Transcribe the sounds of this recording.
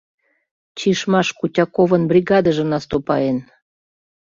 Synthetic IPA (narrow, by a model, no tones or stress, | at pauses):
t͡ɕiʃmɑʃkutʲɑkovənbrʲiɡɑd̪əʒə̆nɑst̪opɑ̰en